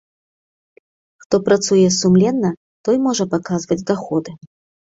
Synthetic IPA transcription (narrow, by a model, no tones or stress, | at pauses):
xt̪ɔpɾat̪sujɛsumlʲɛnːɐ | t̪ɔjmɔʐɐpakazvɐd͡zʲd̪axɔd̪ɨ